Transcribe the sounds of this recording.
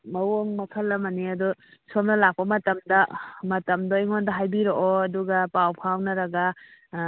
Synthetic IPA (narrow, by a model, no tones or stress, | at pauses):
mɐwoŋmɐpʰɐlːɐmɐniɐdusomnɐlak̚pɐmɐtɐmdɐmɐtɐmdoiŋɔndɐɦajbiɾoʔɔɐduɡɐpawpʰawnɐɾɐɡa